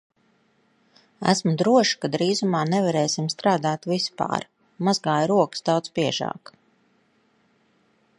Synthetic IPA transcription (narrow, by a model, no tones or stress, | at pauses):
æ̰smud̪ɾuɔʃi̥kad̪ɾiːzumaːnɛvaɾɛːsimst̪ɾaːd̪aːt̪vispa̰ːɾ | mazɡaːjɾuɔksd̪awt̪sbiɛʒɑ̰ːk